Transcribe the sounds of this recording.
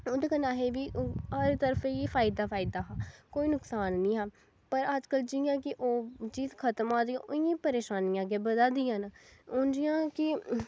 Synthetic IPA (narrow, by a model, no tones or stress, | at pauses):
oːd̪eːkənaːɦeːʋiːɦəɾt̪əɾfeefʰaːɪd̪aːpʰaːɪd̪aːɦaːkoːiːnʊksaːnːĩːɦaː | pəɾəd͡ʒkəld͡ʒɪjãːkɪʔoːt͡ʃiːzkʰət̪mãːd̪iãːʔoɪjĩːpəɾeːʃaːnijãːɡẽːbəd̪aːd̪iːjãːnʊnd͡ʒɪjãːkɪ